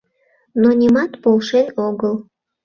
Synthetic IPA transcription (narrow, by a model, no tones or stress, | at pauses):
nonʲimɑt̪polʃenoɣəl